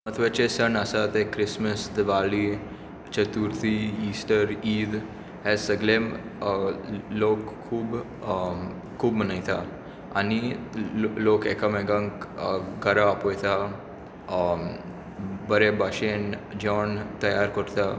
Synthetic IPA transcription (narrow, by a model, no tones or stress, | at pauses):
mət̪ʰʋet͡ɕesənəsat̪ekːɾisməsd̪ʋali | t͡ɕət̪uɾt̪iisʈəɾiːd̪ | ɦɛsəɡlẽm | lokʰːuːb | uːbm̤ənajt̪a | ani | lokḛkamɛɡãŋkɡəɾaːpojt̪a | bəɾebaɕẽnd͡ʑɔnt̪əjaɾkəɾt̪a